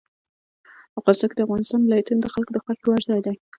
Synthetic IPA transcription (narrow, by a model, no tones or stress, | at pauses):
əqɑzakd̪əafɣɑnɪst̪ɑnlɑjat̪und̪əxalkod̪əxwaxewaɾzɑjd̪a